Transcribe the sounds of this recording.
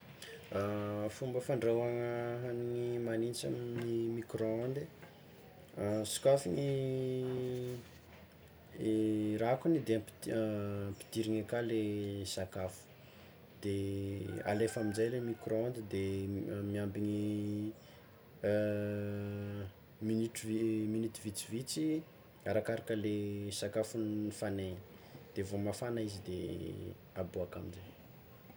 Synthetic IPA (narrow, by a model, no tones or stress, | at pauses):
afumbəfaɳɖ͡ʐewaŋəɦaniŋimanint͡ʃa̰minimikroand̪i | su̥kafiŋi | rakunid̪eamp | pi̥t̪iɾiɲakalesakafu̥ | d̪̥e | a̰lefaminzajlemikrond̪id̪emiambiɲi | miniʈ͡ʂvminit̪ivit͡sivit͡si | aɾakaɾakəlesakafunnifaneɲi̥ | d̪̥evomafanaizid̪ḛ | aboakaminzaj